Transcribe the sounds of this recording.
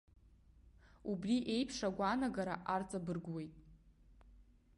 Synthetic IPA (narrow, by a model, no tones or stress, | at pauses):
ubriʔe̞jpʰʂaɡʷanaɡaɾa̰ʔart͡sʼabɨrɡwe̞jtʼ